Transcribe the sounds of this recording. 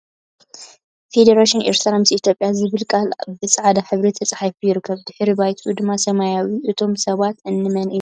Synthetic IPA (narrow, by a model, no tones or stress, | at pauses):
fe̞d̪ɐɾaʃineɾt̪ɾamɨsit̪ʰjo̞pʼjazɨβɨlkʼalbɨt͡sʼaʕad̪aħɨβɾet̪ʰɐt͡sʼħajfujɪɾɨkʰːɐβd̪ɨħɾibajt̪ʰʼud̪ɨmːasɐmajawiʔɨt̪ʰo̞msɐβat̪ɨnːɨmɐnʔɨ